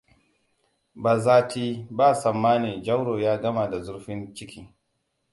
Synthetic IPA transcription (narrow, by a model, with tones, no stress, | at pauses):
baː˨zaː˦tʰiː˦baː˦˨sɐ˨mːaː˦ni˨d͡ʒa˦wɽoː˨jaː˦ɡɐ˦ma˨da˨zʊ˦ɾɸɪ˦nt͡ʃɪ˦kʲiː˦